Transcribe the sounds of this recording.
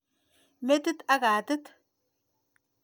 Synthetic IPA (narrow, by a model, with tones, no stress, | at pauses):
me˦t̪ɨ˦t̪a˦ɡaː˨t̪ɨ˦t̪